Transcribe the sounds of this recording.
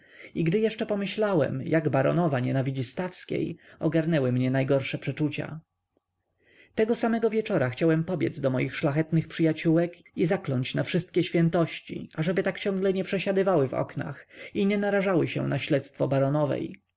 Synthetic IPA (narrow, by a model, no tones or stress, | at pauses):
iɡd̪ɘjɛʂt͡ʂɛpɔmɘɕlawɛ̰mjaɡbaɾɔ̰nɔvaɲɛnavʲid͡ʑist̪afskʲḛjɔɡaɾnɛwɘmɲɛnajɡɔɾʂɛpʂɛt͡ʂut͡ɕa̰ | t̪ɛɡɔsamɛɡɔvʲjɛt͡ʂɔɾaxt͡ɕawɛmpɔbʲjɛ̰d̪zd̪ɔmɔjixʂlaxɛt̪nɘxpʂɘjat͡ɕuwɛk | izaklɔɲt͡ɕnafʂɘst̪̚kʲɛɕfʲjɛnt̪ɔɕt͡ɕḭaʐɛbɘt̪akt͡ɕɔ̃ŋɡlɛɲɛpʂɛɕad̪ɘvawɘvɔ̰kna̰xiɲɛnaɾaʐawɘɕɛ̰naɕlɛt̪st̪fɔbaɾɔnɔvɛ̰j